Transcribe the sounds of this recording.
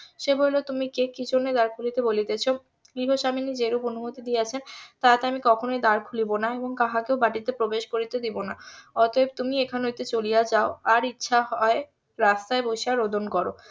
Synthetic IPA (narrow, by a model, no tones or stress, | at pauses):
ʃebojlot̪umikekid͡ʑʰonːed̪aɾkʰulit̪ebolit̪et͡ɕʰo | ɡɾiɦoʃaminid͡ʑeɾuponumot̪id̪ieat͡ɕʰent̪at̪eamikɔkʰonoed̪aɾkʰulibonaeboŋk̪aɦakeobaʈit̪epɾobeʃkoɾit̪ed̪ibonaɔt̪oeb̚t̪umiekʰanojt̪et͡ɕolijad͡ʑaoaɾitːɕʰaɦɔe | ɾast̪aeboʃiaɾod̪ʱonkɔɾo̰